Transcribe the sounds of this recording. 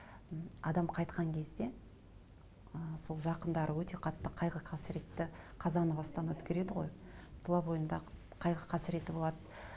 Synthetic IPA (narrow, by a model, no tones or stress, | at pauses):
ɑ̰d̪ɑmqʰɑjt̪̚qɑŋkʲʰe̞zd̪e̞ | əso̞lˠʒɑqənd̪ɑɾəwɵt̪e̞qʰɑt̪ːəqʰɑjʁəqʰɑsɪɾe̞t̪ːɪqʰɑzɑnəbɑst̪ɑnwɵt̪kʲe̞ɾe̞d̪ɪʁojt̪ʰlˠɑbo̞jənd̪ɑ | qʰɑjʁəqʰɑsɪɾe̞t̪ːɪbo̞lˠɑd̪ə